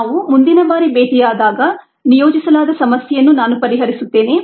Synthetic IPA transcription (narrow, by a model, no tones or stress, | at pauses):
naːʋumund̪inɐbaːɾibeːd̪ijaːd̪aːɡɐ | nijoːd͡ʒisɐlaːd̪ɐsɐmɐsjɛjɐnːunaːnupɐɾiɦɐɾisut̪ːe̞ːne